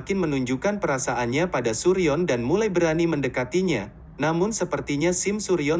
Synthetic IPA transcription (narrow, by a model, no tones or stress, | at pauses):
kɪnmənuɲd͡ʒukanpəɾasaʔanɲapadasuɾiɔndanmulajbəɾaniməndəkat̪iɲa | namʊnsəpərt̪iɲasɪmsuɾiɔ